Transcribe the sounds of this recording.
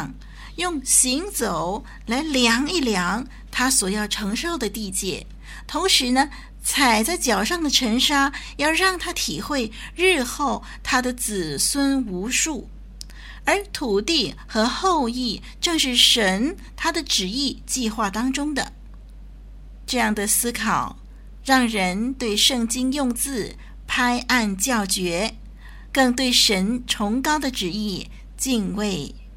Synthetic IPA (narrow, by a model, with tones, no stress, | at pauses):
ŋ | jʊ˥˩ŋɕi˧˥ŋt͡so˨˩˦ʊ | la˧˥ɪljɑ˧˥ŋi˥˩ljɑ˧˥ŋ | t̪ʰa˥swɔ˨˩jɑ˥˩ʊʈ͡ʂʰɤ˧˥ŋʂo˥˩ʊd̪ə˩t̪i˥˧t͡ɕjɛ̰˥˩ | t̪ʰʊ˧˥ŋʂɻ̩˧˥nə˧ | t͡sʰa˨˩ɪt͡sa˥˩ɪt͡ɕjɑ˨˩ʊʂɑ˥˩ŋd̪ə˩ʈ͡ʂʰə˧˥ŋʂa˥jɑ˥˧ʊɻɑ˥˩ŋt̪ʰa˥t̪ʰi˨˩xwe˥˧ɪɻ̩˥˧xo˥˩ʊ | t̪ʰa˥d̪ə˨t͡sɹ̩˨˩swə˥nu˧˥ʂu˥˩ | ə˞˧˥t̪ʰu˨˩t̪i˥˩xɤ˧˥xo˥˧ʊi˥˩ | ʈ͡ʂɤ˥˧ŋʂɻ̩˥˩ʂə˧˥n | t̪ʰa˥d̪ə˨ʈ͡ʂɻ̩˨˩i˥˧t͡ɕi˥˧xwa˥˩t̪ɑ˥ŋʈ͡ʂʊ˥ŋd̪ə̰˨ | ʈ͡ʂɤ˥˧jɑ˥˩ŋd̪ə˩sɹ̩˥kʰɑ˨˩ʊ | ɻɑ˥˩ŋɻə˧˥nt̪we˥˧ɪʂɤ˥˩ŋt͡ɕi˥ŋjʊ˥˧ŋt͡sɹ̩˥˩ | pʰa˥ɪʔa˥˧nt͡ɕjɑ˥˩ʊt͡ɕɥɛ˧˥ | kɤ˥˧ŋt̪we˥˩ɪʂə˧˥nʈ͡ʂʰʊ˧˥ŋkɑ˥ʊd̪ə˨ʈ͡ʂɻ̩˨˩i˥˧ | t͡ɕi˥˧ŋwe˥˩ɪ